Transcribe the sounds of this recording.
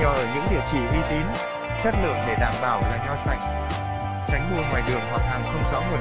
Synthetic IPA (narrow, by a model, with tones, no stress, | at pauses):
ɲɔ˨˩ʔəː˧˩ɲɨ̰˧˥ŋɗi˨˩əwt͡ɕi˧˩ʔi˧t̪i˨˦n | sə˦˥t̚lɨ̰˧˨əŋɗe˧˩ɗaː˧˩mɓaː˧˩wlaː˨˩ɲɔ˧wsa˧˩jŋ̟ | t͡ɕa˨˦jŋ̟ɓu˧˩əŋwaː˨˩jɗɨ˨˩əŋɦwa˨˩t̚ha˨˩ŋxə˧wŋ͡mzɔ˨˦ŋɨ˨˩ə